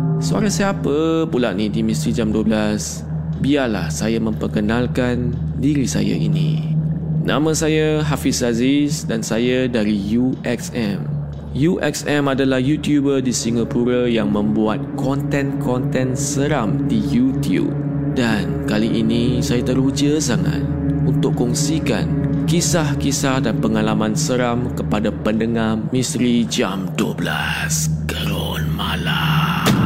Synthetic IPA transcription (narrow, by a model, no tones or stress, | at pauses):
səa̰ɾasiapəpulaʔ̚nidimĩst̪id͡ʒamduəblas | biala̰hsajamə̃mpərkənãlkan | diɾisa̰ja̰ʔḭnḭ̃ | nʔã̰mə̃sajaɦafisazisdansajadaɾijuʔɛksɛ̃m | juʔɛ̰ksɛ̃madalahjut̪jubədisiŋapuɾəjaŋmə̃mbuat̪̚kɔnt̪ɛ̃nkʰɔnt̪ɛ̃nsəɾamdijut̪iṵp̚ | dankaliʔinĩsajat̪əɾud͡ʒəsaŋa̰t̪̚unt̪ʊʔkɔŋsika̰nkisahkisahdanpəŋalamãnsəɾamkəpadapəndəŋahmisɾid͡ʒamduobla̰ | skəɾo | nmala